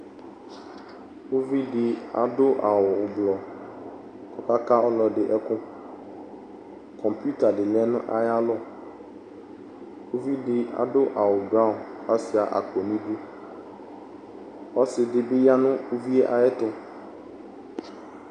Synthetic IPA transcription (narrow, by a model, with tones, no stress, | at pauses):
wo˦vi˦ɖɪ˦a̰˨ɖʊ˦ʔa˨wʊ˨ʊ˨blɔ˨ | kɔ˨ka˦ka˦ɔ˦lɔ˨ɖɪ˨ʔɛ˦kʊ˦ | kʰɔ˨mpu˦t̪a˨ɖɪ˨lɛ˦nʊ̰̃˦ʔa˨ja˦lɔ˦ | wo˦vi˦ɖɪ˦a̰˨dʊ˦ʔa˨wʊ˨ba˦˨a˦sɪ˨a˨ʔa̰˨ko˨nĩ˦du˦ | ɔ˦sɪ˨ɖɪ˨bɪ˦ja˦nʊ̃˦ʊ˦vi˦ɛ˦ʔa˨ɛ˦t̪ʊ˦